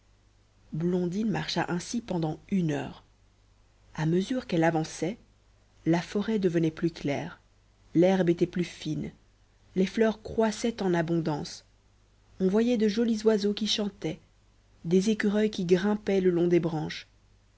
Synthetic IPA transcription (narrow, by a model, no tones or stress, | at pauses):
blɔ̃d̪inmaʁʃa̰ʔɛ̃sipɑ̃d̪ɑ̃ynœ̰ːʁ | aməzyʁkɛlavɑ̃sɛ | lafɔʁɛd̪əvənɛplyklɛːʁ | lɛʁbet̪ɛplyfin | leflœːʁkχwasɛt̪ɑ̃nabɔ̃d̪ɑ̃s | ɔ̃vwajɛd̪əʒɔlizwazokʲiʃɑ̃t̪ɛ | d̪ezekʲyʁœjkʲiɡʁɛ̃pɛləlɔ̃d̪ebʁɑ̃ʃ